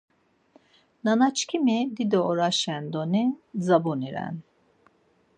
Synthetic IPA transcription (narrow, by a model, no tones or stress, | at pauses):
nanat͡ʃkʲʰimid̪id̪ɔɔɾaʃɛnd̪onizabuniɾa̰n